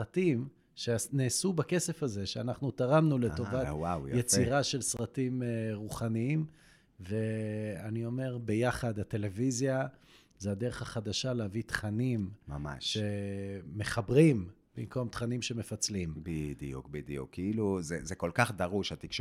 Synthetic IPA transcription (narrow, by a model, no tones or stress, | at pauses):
ʁatim | ʃeaneːsubakese̞faze̞ʃeanaχnut̪aʁamnuleto̞vatwawjjet͡siʁaʃelsʁatimʁuχaniim | ve̞anio̞me̞ʁbe̞jaχad̪ate̞le̞vizja | zead̪eʁeχaχad̪aʃalehavit̪χanimmama̰ʃʃe̞ːe̞χabʁimb̥imko̞mt̪χanimʃeme̞fat͡slimbid̪ijukbid̪ijṵkːiiluzezekolkaχd̪aʁuʃat̪ikʃ